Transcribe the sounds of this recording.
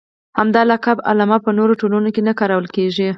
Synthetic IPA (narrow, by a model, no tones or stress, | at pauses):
hamd̪ɑlakaba̰lɑmɑpənoɾoʈolunokenakɑɾawəlkeʒi